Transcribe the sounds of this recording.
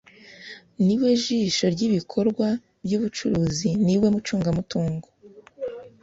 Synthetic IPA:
niwe̞ʒiʃo̞ɾɟiβikʰo̞ɾɡwa | bɟuβut͡ʃuɾuːziniwe̞mut͡ʃuːŋɡamutuːŋɡo

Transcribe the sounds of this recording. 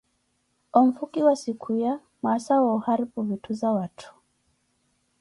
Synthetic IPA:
ɔm̩fukiwasikʰuja | masawauhaɾipuvituzawatʰu̥

